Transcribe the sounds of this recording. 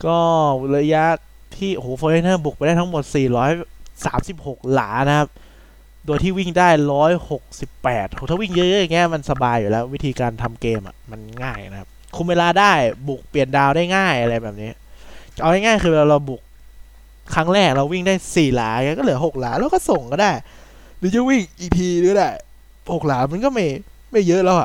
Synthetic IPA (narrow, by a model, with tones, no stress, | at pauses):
kɔː˥˩la˧˥ja˦˥ | t̪ʰiː˥˩ʔo˧hoː˨˦fʰoː˧le˦˥nɤː˥˩bu˨˩k̚pa˧jdaː˥˩t̪ʰŋmo˨˩t̪̚siː˨˩ɾɔː˦˥jsaː˩˦msi˨˩p̚ho˨˩k̚la̰ː˩˦na˦˥kʰa˦˥p̚ | doː˧jt̪ʰiː˥˩wi˥˩ŋdaː˥˩jɾɔː˦˥jho˨˩k̚si˨˩pːɛː˨˩t̪̚ho˧˦t̪ʰaː˥˩wi˥˩ŋjɤ˦˥jɤ˦˥ja˨˩ŋi˦˥ɐma˧nsa˧baː˧jːuː˨˩lɛː˦˥wwi˦˥t̪ʰiː˧kaː˧nt̪ʰa˧mkeː˧mʔa̰˨˩ma˧nŋaː˥˩jna˦kʰa˦˥p̚kʰu˧mweː˧laː˧daː˥˩jbu˨˩k̚pli˨˩əndaː˧wdaː˥˩jŋaː˥˩jʔa˧ɾa˧jbɛː˨˩p̚niː˦˥ɐʔa˧wda˥˩jŋaː˥˩jkʰɯː˧bɾa˧wbu˨˩k̚ʰː | a˦˥ŋɾɛː˥˩k̚ɾa˧wi˥˩ŋdaː˥˩jsiː˨˩laː˩˦˧i˦˥kɔ˥˩lɯ˩˦əɦo˨˩k̚laː˩˦lɛː˧wkɔː˥˩so˨˩ŋkɔ˥˩daː˥˩j | lɯː˨˦jɯː˧˥˩wi˥˩ŋʔiː˨˩t̪ʰiː˧ɾɯ˨˦daː˥˩j | ho˨˩k̚laː˩˦ma˧nkɔː˥˩ma˥˩j | ma˥˩jːɤ˦˥ʔlɛ˦˥wa˨˩ʔ